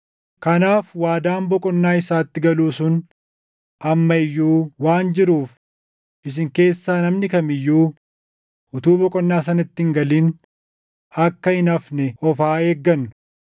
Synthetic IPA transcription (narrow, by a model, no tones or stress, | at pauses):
kɐnaːfwaːd̪aːmbɔkʼɔnːaːɪsaːt̪ːɪɡɐluːsʊn | ʔɐmːɐɪjːuːwaːnd͡ʒɪɾuːf | ʔɪs̬ɪŋke̞ːsːaːnɐmnɪkɐmɪjːuː | ʊt̪uːbɔkʼɔnːaːsɐnɐt̪ːɪŋɡɐliːn | ɐkːɐɪnɐfnɛɔfaːe̞ːɡːɐnːʊ̥